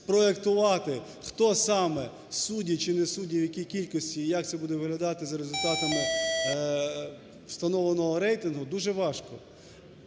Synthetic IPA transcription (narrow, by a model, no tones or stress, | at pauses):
pɾɔekt̪ʊʋɑt̪ɪ | xt̪ɔsɑmɛ | sudʲit͡ʃɪnɛsudʲiwjɐkʲijkʲilʲkɔsʲtʲiːjɐk̚t̪sɛbud̪ɛʋɪɦlʲɐd̪ɑt̪ɪzɐɾezʊlʲt̪ɑt̪ɐmɪ | st̪ɐnɔʋlenɔɦɔɾɛjt̪ɪnɦʊd̪uʒɛʋɑʃkɔ